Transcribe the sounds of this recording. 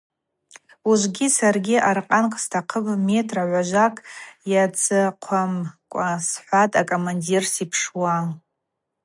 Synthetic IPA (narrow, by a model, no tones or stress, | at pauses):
uʒʷɡʲisarɡʲiʔarqʼankʼstʰaqʰəbme̞tʰʼraʕʷaʒʷakʼjat͡sʰʼɨqʷʰamkʷʼasħʷatʼakʼomandirsipʰʂwa